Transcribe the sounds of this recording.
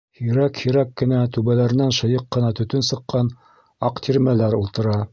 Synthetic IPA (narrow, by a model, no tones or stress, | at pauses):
hiɾækhiɾækːɘ̆næt̪ʉβælæɾɘ̆nænʃɤ̆jɤqːɤ̆nɑt̪ɵ̆t̪ɵnsɤ̆qːɑn | ɑqt̪ʰiɾmælæɾulˠt̪ɤ̆ɾɑ